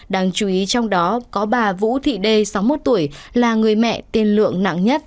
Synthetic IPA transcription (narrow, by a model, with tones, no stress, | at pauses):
ɗaː˧ŋt͡ɕu˨˦ʔi˨˦t͡ɕɔ˧wŋ͡mɗɔ˨˦kɔ˨˦ɓaː˨˩vṵ˧˥t̪ʰḭ˧˨ɗe˧sa˨˦wmo˦˥t̚t̪u˧˩əjlaː˨˩ŋɨ˨˩əjmɛ̰˧˨t̪i˧ənlɨ̰˧˨əŋna̰˧˨ŋɲə˦˥t̚